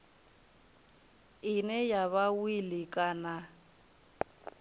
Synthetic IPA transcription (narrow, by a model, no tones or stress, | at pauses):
ɪnɛjaβawilɪkʼana